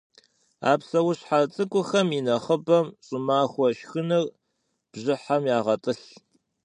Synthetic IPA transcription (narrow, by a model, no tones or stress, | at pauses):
a̰ːpsɐwʊɕħat͡sʼɨkʷʼʊxɐminɐχəbɐmɕʼʊmaːxʷɔʃxɨnɨr | b̥ʑɪħamjaːʁɐtʼɨɬ